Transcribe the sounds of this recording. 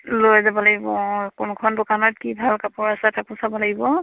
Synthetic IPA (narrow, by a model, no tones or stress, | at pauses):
lojzabɔlaɡibɔkʊnkʰɔndʊkanɔt̚kibʱalkapʊɹasɛtakʊsabɔlaɡibɔ